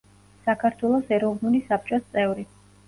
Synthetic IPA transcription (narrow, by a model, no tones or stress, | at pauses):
sakʰaɾt̪ʰwɛlˠɔsɛɾɔvnulisap̚ʰt͡ʃʼɔst̪sʼɛvɾi